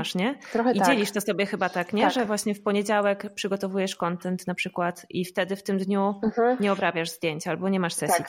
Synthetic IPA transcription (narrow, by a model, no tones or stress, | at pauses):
aʂɲɛt̪ɾɔxid͡ʑɛlʲiʂt̪ɔsɔbʲjɛxɘbat̪akɲɛʐɛvwaɕɲɛfpɔɲed͡ʑawɛkpʂɘɡɔt̪ɔvujɛʂkɔnt̪ɛnt̪napʂɘkwat̪ift̪ɛd̪ɘft̪ɘmd̪ɲuɲɛɔbɾabʲjaʐzd̪ʲjeɲt͡ɕalbɔɲɛmaʂsɛssi